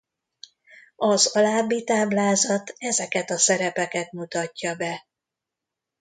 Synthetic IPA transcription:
ɒzɒlaːbːit̪aːblaːzɒt̪ɛzɛkɛt̪ɒsɛɾɛpɛkɛt̪mut̪ɒcːɒbɛ

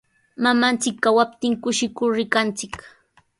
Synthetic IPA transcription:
mamant͡sɪkːawap̚t̪ɪŋkʊʃɪkʊɾɾɪkant͡sɪk

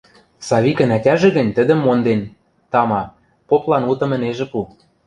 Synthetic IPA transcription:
sɑβʲikə̆nætʲæʒĕɣə̆nʲt̪ə̆d̪ə̆mːond̪en | t̪ɑmɑ | poplɑnut̪ɤ̆mə̆neʒĕpu

